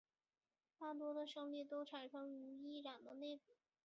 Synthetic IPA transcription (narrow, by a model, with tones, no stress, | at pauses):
t̪a˥˩t̪̬wɔ˥d̪ə˨ʂɤ˥˧ŋli˥˩t̪o˥ʊʈ͡ʂʰa˨˩nʂɤ˥ŋy˧˥i˥˩ɻa˨˩nd̪ə˦ne˥˧ɪpu˥˩